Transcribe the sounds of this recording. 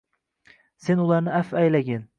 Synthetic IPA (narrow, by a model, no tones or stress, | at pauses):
senulˠɑɾnɪæfæjlaɡʲɪn